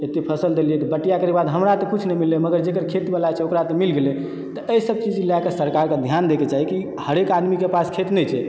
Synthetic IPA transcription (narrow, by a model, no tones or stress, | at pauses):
et̪epʰəsəld̪eliɛt̪ɔbəʈːijakəɾekbad̪ɦəmɾat̪ɔkut͡ʃʰnɛmilːeməɡəɾd͡ʒekəɾkʰet̪ibalat͡ʃʰɛokɾat̪ɔmilɡelɛ | t̪ɔəisəb̚t͡ʃid͡ʒlakesəɾkaɾked̪ʱjand̪eket͡ʃaɦiki | həɾekad̪mikepaskʰet̪nɛt͡ʃʰɛ